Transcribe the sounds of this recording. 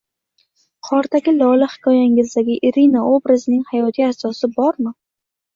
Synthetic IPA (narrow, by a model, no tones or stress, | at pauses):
qʰɒɾt̪ʰaɡʲɪlɒlahɪ̥kʲʰɒjaŋɪzd̪aɡʲɪʔɪɾinaobɾazɪnɪŋhajɒt̪ʰiasɒsɪbɒɾmɪ